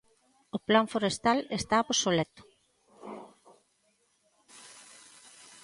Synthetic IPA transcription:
oplaɱfoɾest̪alest̪aposolɛt̪o̥

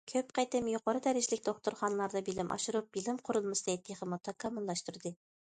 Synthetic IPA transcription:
kʲʰøp̚qʰɑjt̪ɨmjoqʰɑɾɨd̪æɾɪʒlɪkʲd̪oχt̪ʊɾχɑnlˠɑɾd̪ɑbɪlɪmʔɑ̰ʃuɾup̚bilɪmqʰʊɾʊlˠmɨst̪ɑt̪ʰːeχəmot̪ʰɑkʰɑmulˠːɑʃt̪uɾd̪ɨ

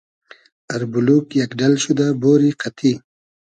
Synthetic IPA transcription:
aɾbulukjakɖalɕud̪aboːɾiqat̪ʰi

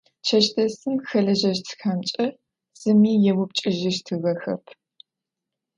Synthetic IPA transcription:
t͡ʃʰɐʃtʰɐsɨmxɐɮɐʒɐʃtʰɨ̥xamt͡ʃʼɐ | z̥ɨmiːjɛwʊp̚t͡ʃʼɪʒɪʃtʰɨɣɐxɐ̰pʰ

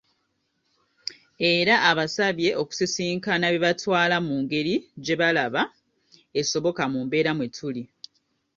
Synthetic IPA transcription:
e̞ɾaʔːβasaβje̞ʔoku̥sisiːŋkanaβjeβatwaːlamuːŋɡe̞ɾid͡ʒe̞βalaβa | e̞so̞βo̞kamumbe̞ːɾamwetʰuli

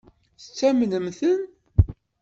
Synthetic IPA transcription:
θt͡sːæmnəmθən

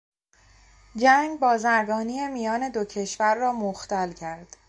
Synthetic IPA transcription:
d͡ʒæŋɡbɒːzæɾɡɒːniːjemijɒːne̞d̪ocʰe̞ʃvæɾːɒːmoxt̪ælcʰæɾd̪̥

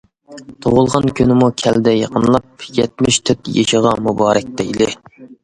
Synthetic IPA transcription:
t̪ʰoʁʊlˠʁɑnkʲynɪmukʲʰɛld̪ɛjɑqʰənlˠɑp̚jɛt̪̚mɪʃt̪ʰøt̪jḛʃəʁɑmubɑːɾɛk̚ʲt̪ɛilɪ

